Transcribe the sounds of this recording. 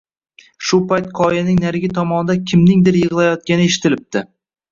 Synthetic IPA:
ʃʊpajt̪̚qʰɒjanɪŋnaɾɡʲɪt̪ʰɒmɒnɪd̪akʲʰɪmnɪŋd̪ɪɾjɨʁɨlˠajɒt̪̚kʲanɪeʃɪ̥t̪ɪlɪp̚t̪ɪ

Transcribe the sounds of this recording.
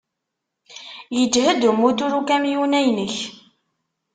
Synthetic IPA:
jəd͡ʒhəd̪umːut̪uɾukæmjunæjnəç

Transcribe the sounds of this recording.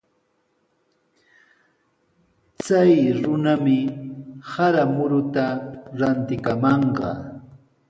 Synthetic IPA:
t͡sajɾʊnamɪ | haɾamʊɾʊt̪aɾant̪ɪkamɑɴɢɑ̰

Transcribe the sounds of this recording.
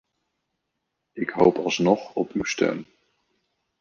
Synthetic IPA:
ɪkɦo̰wpɑlˠsnɔχɔpywstɛ̰m

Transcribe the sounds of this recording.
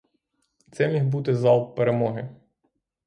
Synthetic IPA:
t̪sɛmʲixbut̪ɪzɑlˠpeɾemɔɦɪ

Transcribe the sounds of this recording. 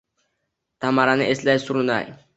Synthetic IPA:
t̪ʰamaɾanɪʔeslajsʊɾna̰j

